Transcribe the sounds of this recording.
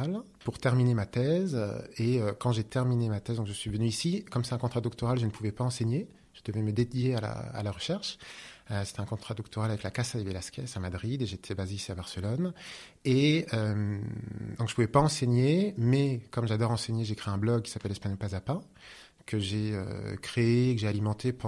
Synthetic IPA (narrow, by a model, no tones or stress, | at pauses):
l | puʁt̪ɛʁminemat̪ɛz̰eøkɑ̃ʒet̪ɛʁminemat̪ɛzd̪ɔ̃kʒəsɥivənyisikɔmsɛt̪ɛ̃kɔ̃t̪χad̪ɔk̚t̪ɔʁalʒənəpʰuvɛpaɑ̃seɲe | ʒ̥əd̪əvɛməd̪ed̪jeala̰a̰laʁəʃɛʁʃøse̥t̪ɛɛ̃kɔ̃t̪χad̪ɔkt̪ɔʁalavɛklakasad̪evelaskʲɛsamad̪ʁid̪eʒet̪ʰɛbazeseabaʁsəlɔn | eømd̪ɔ̃kʒə̥puvɛpaɑ̃seɲemɛkɔmʒad̪ɔʁɑ̃seɲeʒekχeɛ̃blɔɡ̚kʲːi̥sapɛlːɛspaɲɔpazapɛ̃ | kəʒeø̰kχeeːkəʒealimɑ̃t̪ʰepɑ̃